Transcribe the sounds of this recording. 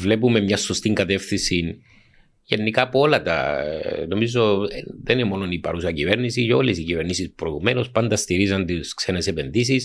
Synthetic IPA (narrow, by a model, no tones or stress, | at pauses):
vle̞pume̞mɲɐso̞st̪iŋɡɐt̪e̞fθinsin | ʝenːikaːpoo̞lɐt̪ɐ̰no̞mizo̞ðeniemo̞nonipɐ̰ɾusɐcive̞ɾnisiceo̞lesicive̞ɾnisispɾoiɣume̞nospɐnd̪ɐst̪iɾizɐnt̪iskse̞ne̞se̞pe̞nd̪is̬is